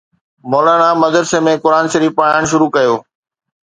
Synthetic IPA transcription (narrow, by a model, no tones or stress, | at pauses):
mɔːlaːɽ̃amɐd̪əɾsemẽkʊɾaːnʃəɾiːfpaːəɽ̃ʃ̬ʊɾukɐjoː